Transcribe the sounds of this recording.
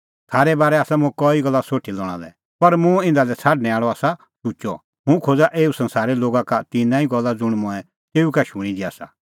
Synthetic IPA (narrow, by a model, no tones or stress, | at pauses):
t̪ʰaːɾɛbaːɾɛaːsamʊ̃ɛkɔːiɡɐlːasoːʈʰilɔːɽ̃a̰lɛ | pɐɾmũɪ̃nd̪alɛt͡sʰaːɖnɛ̃aːɭɔaːsa | sut͡ʃɔ̰ | mũkʰoːd͡zaʔeːusɐ̃nsaːɾɛloːɡakat̪ɪnãːiɡɔlːad͡zʊɽ̃mʊ̃ɛ | t̪eːukɛʃʊɽ̃id̪ia̰ːsa̰